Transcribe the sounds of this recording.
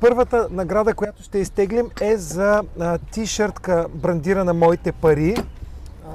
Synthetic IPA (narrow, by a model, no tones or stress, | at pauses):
pɤɾvət̪ənɐɡɾad̪əkojat̪ʊ̥ʃt̪ɛist̪ɛɡlimɛzɐt̪iʃəɾt̪kəbɾɐnd̪iɾɐnɐmɔit̪ɛpɐɾi